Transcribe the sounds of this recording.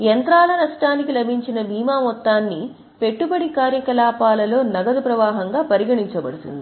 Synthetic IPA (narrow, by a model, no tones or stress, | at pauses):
jent̪ɾaːlɐnɐʂʈaːnikilɐbʱiɲt͡ʃinɐbʱiːmaːmɔt̪ːaːnːi | pe̞ʈːubɐɽikaːɾjɐkɐlaːpaːlɐlo̞ːnɐɡɐd̪upɾɐʋaːɦɐŋɡaːpɐɾiɡɐɽiɲt͡ʃɐbɐɽut̪ṵnd̪i